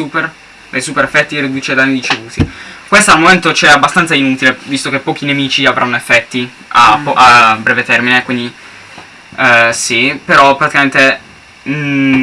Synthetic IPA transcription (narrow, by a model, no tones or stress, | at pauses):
super | d̪ejsuːpeɾefːɛt̪ːirid̪uːt͡ʃed̪anːiɾit͡ʃevuːt̪ikwest̪aːlmoment̪ot͡ʃɛabːast̪ant̪sainuːt̪ilevist̪okepːɔːk̟inemiːt͡ʃiavɾʔanːoefːɛt̪ːi | apːɔʔabːɾɛːvet̪ɛrminekwind̪i | sipeɾɔpːɾat̪ikament̪e